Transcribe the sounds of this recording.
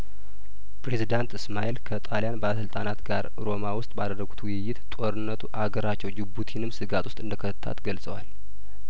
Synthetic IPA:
pʰɾe̞zid̪ant̪ɨsmaʔilkʰət̪ʼalijanbəaləsɨlt̪ʼanat̪ɡaɾ | ɾo̞mawʊst̪ʼbad̪ərːəɡut̪ʰwɨjːɪt̪t̪ʼo̞ɾɨnːət̪ʰuʔaɡəɾat͡ʃːɛwd͡ʒɪbut̪ʰinɨmsɨɡat̪ʰʼwʊst̪ʼɨnd̪əkʰət̪ʰət̪ʰːa̰t̪ɡəlsʼəwa̰l

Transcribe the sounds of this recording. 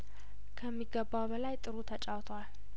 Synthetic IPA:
kʰəmːiɡːəbːawbəlajt̪ʼɨɾut̪ʰət͡ʃʼawt̪ʰwal

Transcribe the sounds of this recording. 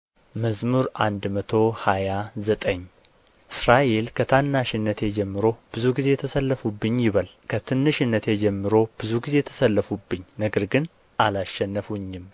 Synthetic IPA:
məzmuɾʔa̰nd̪mət̪ʰo̞hajazət̪ʼəɲː | ʔɨsɾaʔe̞lkʰət̪ʰanːaʃɪnːət̪ʰe̞d͡ʒɛmːɨɾo̞b̥ɨzuɡize̞ɛt̪ʰəsəlːəfubːɨɲːjɪβəlkʰət̪ʰɨnːɨʃɨnːət̪ʰe̞d͡ʒɛmːɨɾo̞b̥ɨzuɡize̞t̪ʰə̥səlːəfubːɨɲːnəɡəɾɡɨn | ʔalaʃːɛnːəfuɲːɪm

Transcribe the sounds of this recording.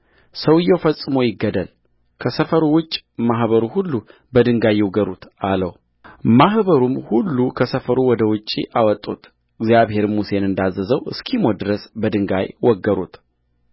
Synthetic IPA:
səwɨjːɛwfəsʼɨmo̞jɪɡːəd̪əl | kʰəsəfəɾuwʊt͡ʃʼːmaɦβəɾuhulːu | bəd̪ɨŋɡajːɪwɡəɾut̪ʰaləw | mahbəɾumhulːukʰəsəfəɾuwɔd̪əwʊt͡ʃʼːḭʔawɔt̪ʼːut̪ | ɨɡzjaβɦe̞ɾmuse̞nɨnd̪azːəzəwɨ̰skʰimod̪ɨɾəsbəd̪ɨŋɡajwɔɡːəɾṵt̪

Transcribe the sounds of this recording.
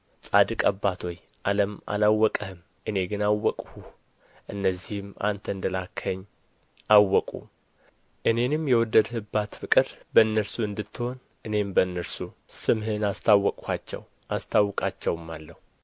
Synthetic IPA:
t͡sʼad̪ɨkʼəbːat̪ʰo̞j | ʔa̰ləma̰lawːɔkʼəhɨm | ʔɨne̞ɡɨnawːɔkʼhu | ʔɨnːəzːihɨma̰nt̪ʰəɨnd̪əlakʰːəɲː | ʔawːɔkʼṵ | ʔɨne̞nɨmjɛwɔd̪ːəd̪hɨbat̪fɨkʼɨɾbəɨnːəɾsuɨnd̪ɨt̪ːɨho̞n | ʔɨne̞mbəɨnːəɾsusɨmɦɨnast̪ʰawːɔkʼhat͡ʃːɛ̰w | ʔast̪ʰawːɔkʼat͡ʃːɛwmːalːəhu

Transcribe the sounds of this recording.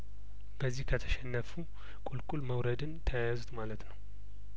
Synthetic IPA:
bəzːihkʰət̪ʰə̥ʃɛnːəfu | kʼulkʼulməwɾəd̪ɨnt̪ʰəjajazut̪malət̪nəw

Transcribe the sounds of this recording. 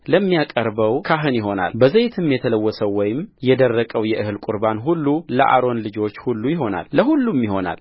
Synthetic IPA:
ləmːijakʼəɾbəwkʰaɦɨnjɪɦo̞na̰lbəzajt̪ʰɨmːjɛt̪ʰələwːɔsəwːɔjɪmjɛd̪ərːəkʼəwjɛʔɨhɨlkʼuɾbanɦulːuləʔa̰ɾo̞nlɨd͡ʒo̞t͡ʃːhulːujɪɦo̞na̰lːəhulːumjɪho̞na̰l

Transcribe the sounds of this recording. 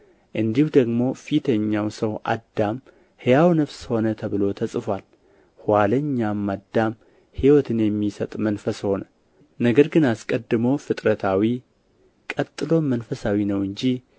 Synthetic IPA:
ʔɨnd̪ihud̪əɡmo̞fit̪ʰəɲːawsəwʔa̰d̪ːam | hɨjawnɨfsho̞nət̪ʰəβɨlo̞t̪ʰəsʼɨfʷal | hwaləɲːamːad̪ːam | hiwɔt̪ʰɨnjɛmːisət̪ʼmənfəsho̞nə | nəɡəɾɡɨnaskʼəd̪ːɨmowfɨt̪ʼɾət̪ʰawi | kʼət̪ʼːɨlo̞mənfəsawinəwɨɲd͡ʒi

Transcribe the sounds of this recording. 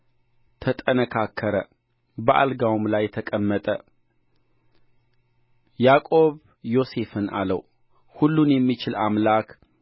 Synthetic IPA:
t̪ʰət̪ʼənəkʰakʰːəɾə | bəʔa̰lɡawmlajt̪ʰəkʼəmːət̪ʼə | jakʼo̞β | jo̞se̞fɨna̰lə̰w | hulːunjɛmːit͡ʃɪlamlak

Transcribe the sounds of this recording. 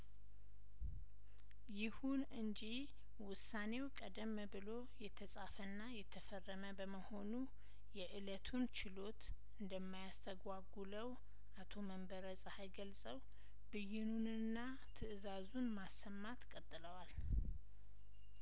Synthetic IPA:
jɪhunɨnd͡ʒi | wʊsane̞wkʼəd̪əmːbɨlo̞ | jɛt̪ʰəsʼafənːajɛt̪ʰːəfərːəməbəməho̞nu | jɛʔɨlət̪ʰunt͡ʃɪlo̞t̪ | ɨnd̪əmːajast̪ʰəɡʷaɡuləw | ʔat̪ʰo̞məmbəɾəsʼhajɡəlsʼəw | bɨjɪnunɨnːa | t̪ʰɨʔɨzazunmasːəmːat̪kʼət̪ʼːɨləwal

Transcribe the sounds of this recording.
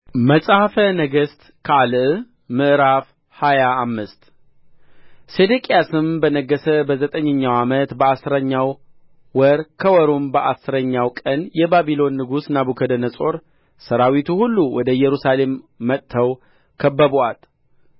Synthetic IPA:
məsʼahfənəɡəst̪ | kʰəalʔ | mɨʔɾaf | hajaːmːɨst̪ | sed̪ekʼijasɨmbənəɡːəsəbəzət̪ʼəɲːəɲːawamət̪bəasɨɾəɲːaw | wɔɾkʰəwɔɾombəʔasɨɾəɲːawkʼənjɛbaβilo̞nːɨɡusnabukʰəd̪ənəsʼo̞ɾ | səɾawit̪ʰuhulːuwɔd̪əjɛɾusale̞mːət̪ʰːəw | kʰəbːəβoat̪

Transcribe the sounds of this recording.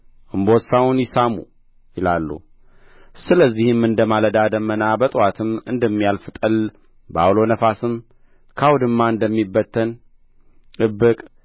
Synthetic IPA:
ʔɨmbo̞t̪sawunjɪsamṵ | jɪlalːṵ | sɨləzːihɨmɨnd̪əmaləd̪ad̪əmːənabət̪ʼwat̪ʰɨmɨ̰nd̪əmːijalfɨt̪ʼəl | ba̰wlo̞nəfasɨm | kʰawd̪ɨmːaɨnd̪əmːibːət̪ʰːən | ʔɨbːɨkʼ

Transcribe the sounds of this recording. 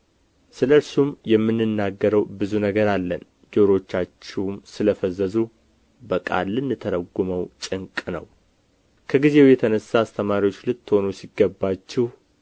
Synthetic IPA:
sɨləɨɾsumjɛmːɨnːɨnːaɡːəɾəwbɨzunəɡəɾalːən | d͡ʒoɾo̞t͡ʃːat͡ʃːɛwmsɨləfəzəzu | bəkʼa̰lːɨnːɨt̪ʰəɾəɡːuməwt͡ʃʼɨŋkʼnə̰w | kʰəɡize̞wjɛt̪ʰənəsːaːst̪ʰəmaɾiwo̞t͡ʃːlɨt̪ːɨho̞nusiɡːəbːat͡ʃːɛh

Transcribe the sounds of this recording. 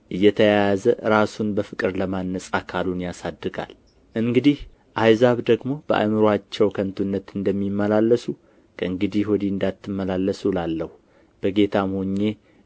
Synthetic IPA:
ʔɨjːɛt̪ʰəjajazəɾasunbəfɨkʼɨɾləmanːəsʼakʰalunjasad̪ːɨɡa̰l | ʔɨŋɡɨd̪ih | ʔajzaβd̪əɡmo̞b̥əʔa̰mɨɾwat͡ʃːɛwkʰənt̪ʰunːət̪ɨnd̪əmːimːəlalːəsu | kʰəɨŋɡɨd̪ihwɔd̪iɨnd̪at̪ːɨmːəlalːəsulalːəhu | b̥əɡe̞t̪ʰamhoɲːe̞

